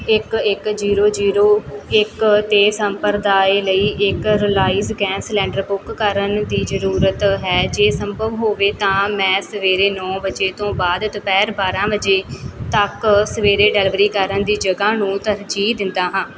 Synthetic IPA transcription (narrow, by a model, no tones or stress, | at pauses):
ɪkɪkd͡ʒiːɾoːd͡ʒiːɾoːɪkt̪eːsəmpəɾd̪aːeləiːʔɪkɾɪlaːiːzɡɛ̃ːnslɛ̃ːɳɖəɾbʊkːəɾənd̪iːzəɾuːɾət̪ɦɛːd͡ʒeːsəmbʱəʋɦoːʋeːt̪ãːmɛ̃ːsəʋeːɾeːnɔ̃ːbəd͡ʒeːt̪õːbaːd̪t̪ʊpɛːɾbaːɾãːbəd͡ʒeːt̪əksəʋeːɾeːɖɛːlʋəɾiːkəɾənd̪iːd͡ʒəɡaːnũːt̪əɾd͡ʒiːd̪ɪnd̪aːɦãː